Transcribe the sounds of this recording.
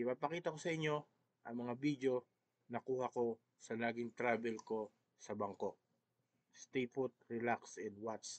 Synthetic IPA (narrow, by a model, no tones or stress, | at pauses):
ɪpaɡpɐkiːt̪ɐko̞sɐʔɪɲːo̞ | ʔɐŋmɐŋabid̪jo̞ | nɐkuːhɐko̞ | sɐlaːɡɪŋt̪ɾaːbɛlko̞ | sɐbɐŋko̞ʔ̚ | st̪ejfʊt̪̚ɹɛlaksɛnd̪wat̪s